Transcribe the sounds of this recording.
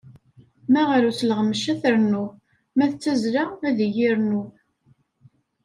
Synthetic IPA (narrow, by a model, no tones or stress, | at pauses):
mæʁɾuθlʁəməʃæθəɾnu | mæθt͡sːæzɾaæðəjiɾnu